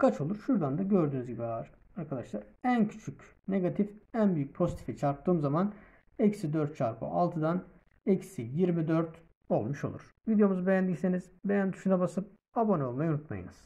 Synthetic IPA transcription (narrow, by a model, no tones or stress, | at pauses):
kʰat͡ʃʰo̞lˠuɾʃuɾd̪and̪aɟøɾd̪yːnyzɟibiaɾ | aɾkʰad̪aʃlˠaɾæncʰy̥t͡ʃʰyc | ne̞ɡat̪ʰifænbyjyc̚ʲpʰo̞zit̪ʰi̥fit͡ʃʰaɾp̚t̪ɯːmzaman | ɛcsid̪øɾt̪̚t͡ʃʰaɾpʰɯ̰ʔalˠt̪ʰɯd̪an | ɛcsijiɾmid̪øɾt̪ | o̞̰lˠmuʃo̞̰lˠṵɾ̥vid̪ejo̞muzɯbe̞jænd̪icse̞niz̥be̞jænt̪ʰyʃynɛbasɯp̚ | abo̞nɛo̞lˠmajunut̪ma̰jɯ̰nɯz̥